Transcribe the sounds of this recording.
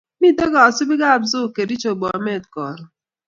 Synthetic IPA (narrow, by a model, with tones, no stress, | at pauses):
mi˦˨dɔ˦ɡa˨su˦bi˦ɡa˦˨bzo˦˨ke˨ɾi˦t͡ʃo˨ɡ͡bɔ˨me˦˨t̚kɔ˨ɾɔ˨